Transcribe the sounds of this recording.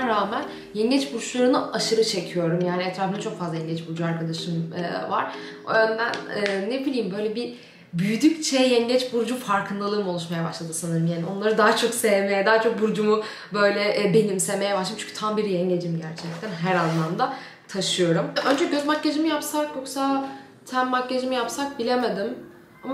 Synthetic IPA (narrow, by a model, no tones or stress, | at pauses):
nɾaːmæn | jɛɲɟɛt͡ʃbuɾt͡ʃlˠaɾɯnaaʃɯɾɯt͡ʃʰe̞cʰijo̞ɾumjaːniɛt̪ʰɾaːfɯnat͡ʃʰo̞kfazlˠajɛɲɟɛt͡ʃbuɾd͡ʒuaɾkʰad̪aʃɯm̰va̰ɾ̥ | o̰jønd̪ænɛːnːebilʲiːmbø̞jlʲɛbi | byjyd̪yct͡ʃʰejɛɲɟɛt͡ʃbuɾd͡ʒufaɾkʰɯnd̪alˠɯɾmɯo̞lˠuʃmajabaʃlˠad̪ɯsanɯɾɯmjaːnio̞nlˠaɾɯd̪aːat͡ʃʰo̞ksevme̞jɛd̪aːat͡ʃʰo̞k̚buɾd͡ʒumu | bø̞jlʲɛʔbe̞nimsevme̞jɛbaʃlˠɯmt͡ʃʰy̥nɲcʰyt̪ʰambiɾiɛɲɟed͡ʒimɟæɾt͡ʃʰɛc̚t̪ʰænɦæɾazlˠand̪a | t̪ʰaʃɯjo̞ɾumø̞nd͡ʒɛɟøzmacːed͡ʒimijapsaɾkjokʰsaː | t̪ʰæmːacːed͡ʒimijapsak̚bilʲe̞me̞d̪im | ama